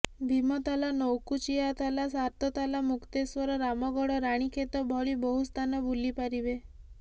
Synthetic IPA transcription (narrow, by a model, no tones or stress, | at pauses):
bʱimɔt̪alanɔwkut͡ʃiat̪alasaɾt̪ɔt̪alamukt̪eswɔɾɔɾamɔɡɔɽɔɾaɽ̃ikʰet̪ɔbʱɔɭibɔɦust̪ʰanɔbulːipaɾibe